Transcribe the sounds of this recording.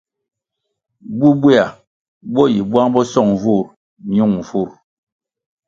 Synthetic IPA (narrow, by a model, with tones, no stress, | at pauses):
bu˦bwɛ˦a˨ | bɔ˦ji˨bwa˦ŋbɔ˦sɔ˦˨ŋ˨vu˦˨ɾ | ɲu˦˨ŋ˨vu˦˨ɾ